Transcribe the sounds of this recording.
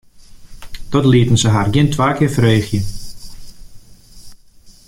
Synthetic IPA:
tɔtliətən̩səɦarɡɪntʋaːkɪːrfəreːxjən

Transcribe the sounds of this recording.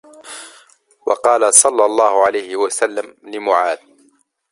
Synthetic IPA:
wɑ̰qɑːlasˤɑlːɑlˤːɑːhʊʕalajhɪwasalːamlɪmʊʕaːd̪̚

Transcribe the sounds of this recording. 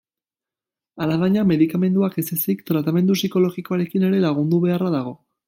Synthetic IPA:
alaβaɲame̞ðikame̞nd̪uakesesikt̪ɾat̪ame̞nd̪usiko̞lo̞ɣiko̞aɾe̞kine̞ɾe̞laɣ̞und̪uβe̞araðaɣ̞o̞

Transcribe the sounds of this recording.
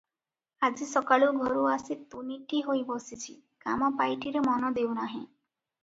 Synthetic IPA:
ad͡ʒisɔkaɭuɡʱɔɾuasit̪uniʈiɦojbɔsit͡ʃʰḭkamɔpajʈʰiɾemɔnɔd̪ewnaɦĩ

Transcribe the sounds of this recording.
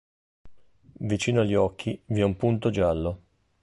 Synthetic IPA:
vit͡ʃiːnoaʎːɔkʰːiviɛumpunt̪od͡ʒalːo

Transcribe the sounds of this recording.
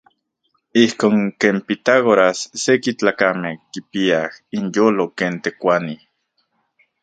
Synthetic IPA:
ihkoːŋkeːmpit̪aɣoɾasːekit͡ɬaːkamehkipiahinjoːlokeːnt̪ekʷani

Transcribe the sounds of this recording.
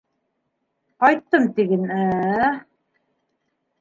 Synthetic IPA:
qɑjt̪ːɤmt̪iɡɘnæ

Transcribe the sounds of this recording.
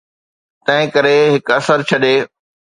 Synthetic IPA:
t̪ɐ̃ɦɪ̃kɐɾeɦɪkɐsəɾt͡ɕʰɐɗeː

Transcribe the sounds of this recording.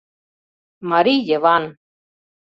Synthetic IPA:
mɐɾiːd͡ʒeʋaːn

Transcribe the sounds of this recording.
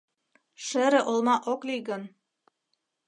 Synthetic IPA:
ʃɘ̆ɾɘ̆ʔolˠmɑʔokliɣɤ̆n

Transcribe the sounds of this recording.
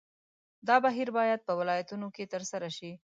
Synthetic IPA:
d̪ɑbaɦiɾbɑjad̪̚pəwɪlɑjat̪unoket̪əɾsaɾaʃi

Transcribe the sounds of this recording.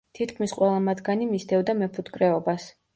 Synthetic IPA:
t̪ʰit̪kʰmisqʼwɛlˠamad̪ɡanimisd̪ʰɛvd̪amɛpʰut̪kʼɾɛɔbas

